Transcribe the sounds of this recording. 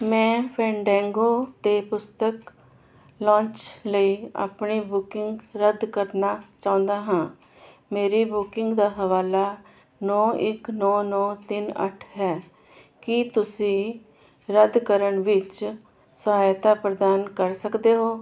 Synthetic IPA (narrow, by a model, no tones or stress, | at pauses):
mɛ̃ːpʰɛ̃ːɳɖɛ̃ːŋɡoːt̪eːpʊst̪ək | lãːnt͡ʃləiːa̰ːpɳiːbʊkɪŋɡɾəd̪kəɾnaːt͡ʃãːʊ̃nd̪aːɦãː | meːɾiːbʊkɪŋɡd̪aːɦəʋaːlaː | nɔːɪknɔːnɔːt̪ɪnə̰ʈʰɦɛː | kɪt̪ʊsĩː | ɾəd̪kəɾəɳʋɪt͡ʃ | səɦaːjt̪aːpɾəd̪aːnkəɾsəkd̪eːɦoː